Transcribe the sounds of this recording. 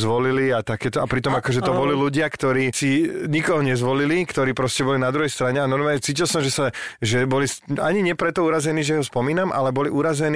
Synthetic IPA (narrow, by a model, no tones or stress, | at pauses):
zʋɔliliat̪akɛːt̪ɔʔapɾit̪ɔmakɔʒɛt̪ɔbɔliluɟɪakt̪ɔɾiːsiɲikɔɦɔɲɛzʋɔlilikt̪ɔɾiːpɾɔscɛbɔlinad̪ɾuɦɛjst̪ɾaɲɛanɔɾmaːɲɛt͡siːcilsɔmʒɛsaʒɛbɔlisa̰ɲiɲɛpɾɛt̪ɔuːɾazɛniːʒɛɦɔspɔmiːnamʔa̰lɛbɔliʔuɾazɛniː